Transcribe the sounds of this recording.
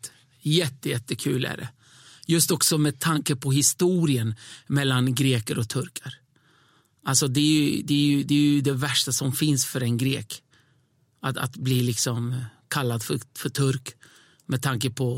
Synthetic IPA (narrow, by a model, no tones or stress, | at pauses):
jɛt̪ːəjɛt̪ːəkʰʉ̟ːlæ̰ɖɛ̰ | jɵst̪ɔksɔmɛd̪̚t̪ʰaŋkəpʰɔɦɪst̪uːɾɪənmɛlːanɡɾeːkəɾɔt̪ʰɵɾkʰəɾ | ʔalsɔd̪ɛjɵd̪ɛːjɵd̪ɛːjɵd̪ɛvæʂʈasɔmfɪnsfœɾɛnɡɾeːk | at̪a̰t̪bliːlɪksɔmkʰalːad̪fœfœʈʰɵɾk | mɛd̪t̪ːʰaŋkəpʰɔ